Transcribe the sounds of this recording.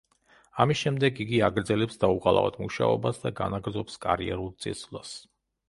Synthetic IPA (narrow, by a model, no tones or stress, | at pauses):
amisʃɛmd̪ɛɡiɡiaɡɾd̪zɛlɛpsd̪auqʼalˠa̰vɔ̰t̪ʰmuʃa̰ɔ̰basd̪aɡa̰naɡɾdzɔpskʼaɾiɛɾulˠt̪sʼḭslˠas